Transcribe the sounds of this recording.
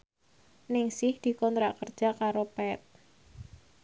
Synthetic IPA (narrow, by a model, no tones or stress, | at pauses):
nɪŋsɪhd̪̥i̤kɔnt̪ɾaʔkər̥d͡ʒ̥a̤kaɾopɛt̪̚